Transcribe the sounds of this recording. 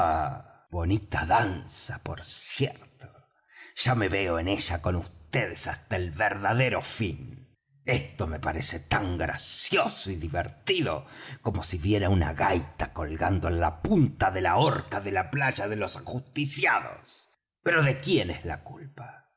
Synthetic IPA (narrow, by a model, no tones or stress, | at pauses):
a | βo̞nit̪aðansapo̞̰ɾssjeɾt̪o̥ | ʒ̥ame̞βeoene̞ʒ̥ako̞nust̪e̞ðesast̪aelβeɾðaðe̞ɾo̞fin | e̞st̪o̞me̞paɾese̞t̪aŋɡɾa̰sjo̞soiðiβḛɾt̪iðo̰ko̞mo̞siβje̞ɾauna̰ɣajt̪ako̞lɣand̪oenlapunt̪aðe̞laoɾkaðe̞laplaʒaðelo̞sxust̪isjaðo̞̰s | pe̞ɾoðe̞kje̞neszla̰kulpḁ